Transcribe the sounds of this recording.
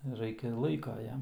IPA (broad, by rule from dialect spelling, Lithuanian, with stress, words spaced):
ˈrɐɪkʲɛ ɪr ˈlˠɐɪkɐ ˈjɛm